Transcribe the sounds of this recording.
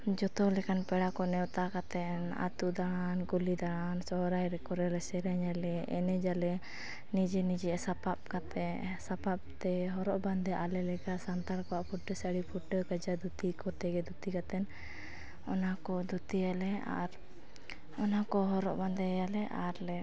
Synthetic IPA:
d͡ʒɔt̪ɔlɛkanpɛɽakɔnɛwt̪akat̪ɛna̰t̪ud̪aɽankulid̪aɽ̃ansɔɾajɾɛkɔɾɛɾɛsɛɾɛɲalɛʔɛnɛd͡ʒalɛ | nid͡ʒɛnid͡ʒɛasapap̚kat̪ɛsapap̚t̪ɛɦɔɾɔʔband̪ɛʔalɛlɛkasant̪aɾkɔwaʔpʰuɖəsəɽipʰuʈːəkəd͡ʒad̪ut̪ikɔt̪ɛɡɛd̪ut̪ikat̪ɛn | ɔnakɔd̪ut̪ialɛa̰ɾ | ɔnakɔɦɔɾɔ̰ʔband̪ɛjalɛʔaɾlɛ

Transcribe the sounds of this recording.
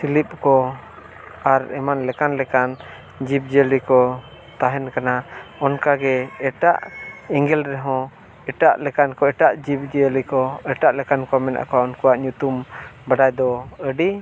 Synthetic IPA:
silip̚kɔ | aɾɛmanlɛkanlɛkan | d͡ʒip̚d͡ʒəlikɔ | t̪aɦɛnkanaɔnkaɡɛɛʈa̰ʔɛŋɡɛlɾɛɦɔ̃ | ɛʈaʔlɛkankɔɛʈaʔd͡ʒip̚d͡ʒilikɔɛʈaʔlɛkankɔmɛna̰ʔkɔaɔnkuaʔɲut̪umbaɖajd̪ɔəɖi

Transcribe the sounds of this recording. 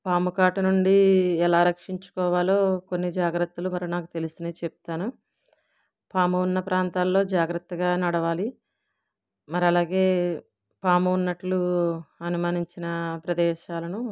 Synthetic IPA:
paːmukaːʈunuɳɖiɛlaːɾɐkʂiɲt͡ʃu̥kɔːʋaːlo̞ːkonːid͡ʒaːɡɾɐt̪ːulumɐɾinaːkut̪e̞lisineːt͡ʃep̚u̥t̪aːnu | paːmuunːɐpɾaːnt̪aːlːo̞ːd͡ʒaːɡɾɐt̪ːɐɡaːnɐɽɐʋaːli | mɐɾiɐlaːɡe̞ː | paːmuːnːɐʈluɐnumaːniɲt͡ʃinɐpɾɐd̪ɛːʃaːlɐnu

